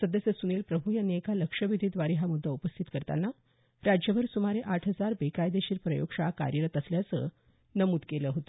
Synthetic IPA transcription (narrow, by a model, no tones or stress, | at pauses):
səd̪əsjəsuniːlpɾəbʱujanekaləkʂəʋid̪ʱid̪ʋaɾiɦamud̪ʱːəupəst̪ʰit̪kəɾt̪a̰nːa | ɾad͡ʑjəʋəɾsumaɾeʔaʈʰɦəd͡zaɾbekajd̪eɕiːɾpɾəjo̰ɡʂaka̰ɾjəɾət̪əsljat͡sə̰ | nəmuːd̪keləːɦot̪ə